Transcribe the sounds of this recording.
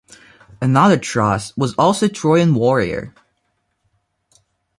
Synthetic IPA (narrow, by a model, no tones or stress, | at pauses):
ɨnʌðə˞tʰɹ̥ʌswʌzɔlˠsoʊtʰɹ̥ɔɪɨ̃nwɔɹḭə̰˞